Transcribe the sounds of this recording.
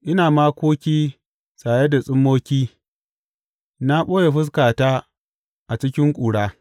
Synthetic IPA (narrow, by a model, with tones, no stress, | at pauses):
ʔɪ˦naː˨maː˦kʷoː˦kʲiː˦ | sʼaː˨je˦da˨sʼɪ˦mːoː˦kʲiː˦ | na˦ɓoː˦je˨ɸɪ˦s̬kaː˨taː˦ | ʔa˨t͡ʃɪ˦kʲɪ˦ŋkʷʼuː˨ɽaː˦